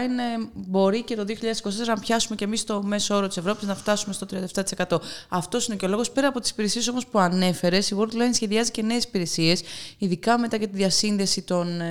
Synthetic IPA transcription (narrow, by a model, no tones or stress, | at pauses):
inebo̞ɾice̞t̪oðioçiʎɐðesi̥kos̬t̪eseɐnɐpçɐsumecemist̪o̞me̞soo̞ɾot̪isevɾo̞piznɐft̪ɐsume̞st̪ot̪ɾiɐnd̪eft̪ɐt̪ise̞kɐt̪o̞ɐft̪o̞sineoceo̞lo̞ɣo̞spe̞ɾɐpo̞t̪isi̥piɾe̞sie̞so̞mo̞spuɐne̞fe̞ɾe̞siɣuɾd̪lɐjnsçe̞ðiɐzice̞ne̞ːsi̥piɾe̞sie̞siðikɐme̞t̪ɐʝɐt̪iðʝɐsinðe̞sit̪o̞n